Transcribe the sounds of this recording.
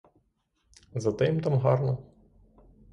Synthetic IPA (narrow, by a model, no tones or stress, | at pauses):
zɐt̪ɪmt̪ɑmɦɑrnɔ